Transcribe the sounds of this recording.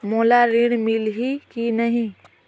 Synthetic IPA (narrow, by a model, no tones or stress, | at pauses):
moːlaɾiɽ̃mɪlɦikinɐɦĩ